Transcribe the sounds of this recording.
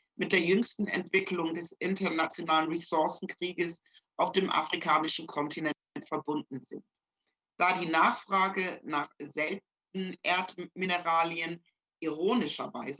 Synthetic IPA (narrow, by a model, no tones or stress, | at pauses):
mɪt̚d̥eːɐjʏŋstn̩ɛ̰ntv̥ɪklʊŋdɛsʔɪntɐnat͡sjonaːlənʁisɔɐsn̩kʁ̥iːɡəsʔaʊfd̥eːmʔa̰fʁ̥ikʰaːnɪʃn̩kʰɔntʰinɛ | ntfɛɐbʊndn̩zɪnt | d̥aːdiːnaːχfʁ̥aːɡənaːχz̥ɛlt | n̩ʔeːɐtminəʁaːliən | ʔiʁoːnɪʃɐvaɪzə